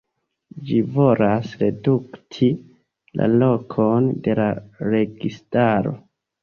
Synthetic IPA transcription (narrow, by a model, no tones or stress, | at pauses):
d͡ʒivo̞lasɾe̞duktʰi | la̰lo̞kʰonde̞laɾe̞ɡistaɾo̞̰